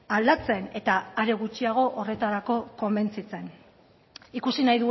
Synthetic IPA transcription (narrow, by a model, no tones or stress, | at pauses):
ald̪at͡se̞ne̞t̪aːɾe̞ɣut͡ʃiaɣ̞o̞ʔore̞t̪aɾako̞ko̞mbe̞nt͡sit͡se̞n | ikusinajðu